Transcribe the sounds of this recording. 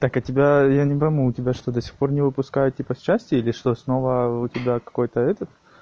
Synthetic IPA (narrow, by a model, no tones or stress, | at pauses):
t̪akɐtʲɪbʲajanʲɪpɐɪmuːtʲɪbʲaʂt̪od̪ɐsʲi̥xpo̞rnʲɪvɨpʊskajʊtʲipəːæsʲtʲɪilʲɪʂt̪o̞sno̞vəʊtʲɪbʲakɐ̥ko̞jt̪əɛt̪ət̪